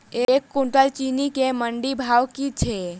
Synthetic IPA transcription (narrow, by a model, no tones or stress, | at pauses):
eekːuɳʈəlt͡ʃinikeməɳɖibʱawkit͡ʃʰɛ